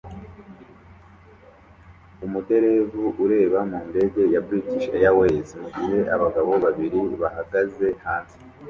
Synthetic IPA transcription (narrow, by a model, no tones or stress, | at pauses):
umude̞ɾe̞vuʔuɾe̞ːβamuːnde̞ɡe̞jabɡiːciʃejawe̞ːziiɾe̞ʔaβaɡaβo̞βaβiɾiβahaɡaze̞haːnsi̥